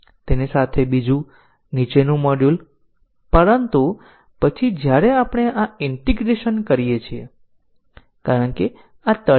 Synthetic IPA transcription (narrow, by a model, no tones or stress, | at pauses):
t̪enisat̪ʰebid͡ʒũ | nit͡ʃenũməɽjũl | pəɾənt̪u | pət͡ʃʰid͡ʒjaɾeapəɳ̃eʔaiɳʈiɡɾeʃənkəɾijet͡ʃʰie | kaɾəɳke | at̪ə